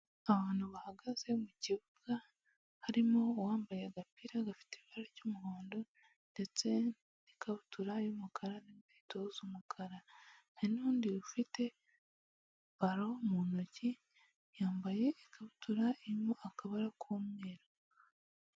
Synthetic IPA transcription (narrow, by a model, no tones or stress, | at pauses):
aβaːn̥huβahaɡaze̞muciβuɡ̥a | haɾimowaːmbajeɡapiɾaɡafi̥teβaɾacumuhoːndo | nde̞t͡se̞ | nikʰaβutuɾajumukʰaɾaniɡeːtozumukʰaɾananuːndiufite̞ | βaɾo̞munoci | jaːmbaje̞ːkʰaβutuɾaiɾimoakaβaɾakʰumŋeːɾa